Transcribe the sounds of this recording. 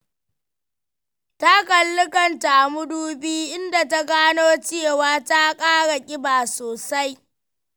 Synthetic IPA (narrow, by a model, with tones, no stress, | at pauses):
ta˦kɐ˨lːɪ˦kɐ˨nta˨ʔa˨mʊ˦duː˦biː˦ʔɪ˦nda˨ta˦ɡaː˦noː˦t͡ʃe˦waː˦ta˦kʼaː˦ɽa˨kʲʼɪ˦baː˨soː˨sa˦j